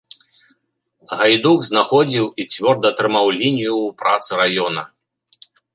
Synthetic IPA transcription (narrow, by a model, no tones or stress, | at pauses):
ɣajd̪uɡznaxɔd͡zʲiwit͡sʲvʲɔrd̪ɐt̪ɾɨmawlʲinʲijupɾat̪sɨɾajɔnɐ